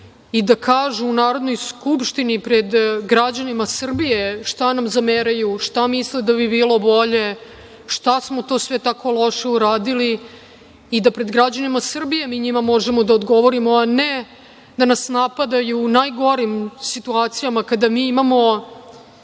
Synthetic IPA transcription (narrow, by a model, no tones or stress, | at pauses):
id̪akʰaːʒuːnaːɾo̞d̪no̞jskupʃt̪inipɾe̞d̪ɡɾad͡ʑanimasr̩bijeʃt̪anamzameɾajuʂt̪amisled̪aβibiːlˠo̞bo̞ʎe̞ | ʃt̪asmo̞t̪o̞ːsʋet̪ako̞lˠo̞ʃeuɾaːd̪iliː | d̪apɾe̞d̪ɡɾad͡ʑanimasr̩bije̞miːɲimamo̞ʒemo̞d̪aod̪ɡo̞ʋoɾimoane | d̪anasnapad̪ajuːnajɡo̞ɾimsit̪uaːt̪sijamakad̪amiːimamo̞